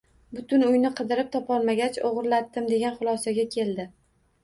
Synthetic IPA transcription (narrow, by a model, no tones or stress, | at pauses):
bʊt̪ʊnʊjnɪqʰɨd̪ɪɾɪp̚t̪ʰɒpʰɒlˠmaɡʲat͡ʃoʁɨɾlat̪ːɪmd̪e̞ɡʲanχʊlˠɒsaɡʲakʲʰe̞ld̪ɪ